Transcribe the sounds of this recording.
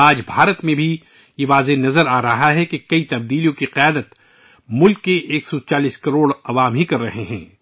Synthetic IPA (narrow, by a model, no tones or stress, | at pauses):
aːd͡ʒbʱaːɾət̪mẽbʱi | jeʋaːzenɐzəɾaːɾɐɦaɦɛkekɐit̪ɐbd̪iːlijõkiqɪjaːd̪ət̪ | mʊlkːeʔeːksɔt͡ʃaːliːskɐɾoːɽɐʋaːmɦikɐɾːɐɦeɦɛ̰̃ː